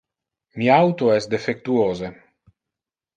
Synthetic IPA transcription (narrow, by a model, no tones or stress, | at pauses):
miawt̪oɛsd̪efek̚t̪uoːze